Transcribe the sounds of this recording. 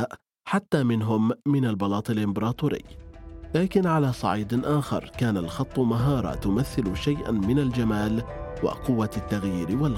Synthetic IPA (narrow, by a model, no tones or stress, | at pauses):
ʔ | ħat̪ːaːmɪnɦʊmːɪnalbɑlɑːt̪ˤɪlʔɪmbɑɾˤɑːt̪uːɾɪ̰jːlaːkɪnʕalaːsˤɑ̰ʕiːd̪ʔaːxɑ̰ɾˤkaːnalxɑt̪ˤːʊmaɦɑːɾˤɑ̰t̪ʊmaθːɪlʃajʔa̰mɪnald͡ʒamaːlwɪ̰qʊwːat̪ːaɣjiːɾwal